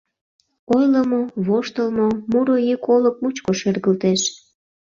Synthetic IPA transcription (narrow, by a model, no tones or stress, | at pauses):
ojləmoβoʃt̪əlmomuɾojikolək̚mut͡ɕkoʃerɣəlt̪eʃ